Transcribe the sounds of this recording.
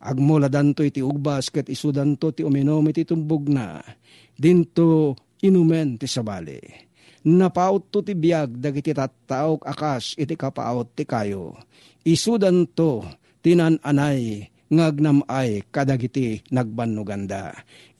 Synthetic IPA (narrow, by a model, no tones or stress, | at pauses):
ʔa̰ɡ̚molad̪ant̪oit̪iuɡ̚baskɛt̪ɪsud̪ant̪ot̪iumɪnomɪt̪it̪ʊmbʊɡ̚na̰ | d̪int̪o | ɪnumɛnt̪ɪsabaːlḭ | napaʔʊt̪ːot̪ɪbjaɡ̚d̪akit̪it̪at̪ːaʔokakasɪt̪ikapa̰ʔʊt̪ːɪkajo̰ | ɪsud̪ant̪o | t̪inananaj | ŋaɡ̚namʔajkad̪aɡit̪inaɡ̚banːʊɡand̪a̰